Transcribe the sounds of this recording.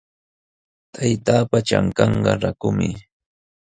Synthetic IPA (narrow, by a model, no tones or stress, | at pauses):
t̪ʰajt̪aːpat͡ʃa̰ŋkɑɴɢɑɾakʊmɪ